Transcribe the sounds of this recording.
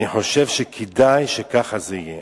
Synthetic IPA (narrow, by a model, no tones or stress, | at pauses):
iħo̞ʃevʃekʰedajʃekaχazeije